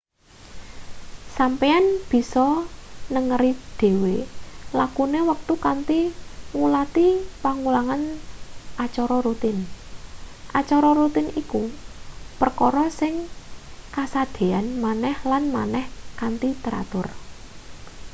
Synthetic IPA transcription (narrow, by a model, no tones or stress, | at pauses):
sampeanb̥i̤sɔnəŋəɾid̪̥e̤welakunewək̚t̪ukant̪iŋulat̪ipaŋulaŋanʔat͡ʃɔɾɔɾut̪ɪn | ʔat͡ʃɔɾɔɾut̪ɪniku | pərkɔɾɔsɪŋ | kasad̪̥e̤anmanɛhlanmanɛhkant̪it̪əɾa̰t̪ʊr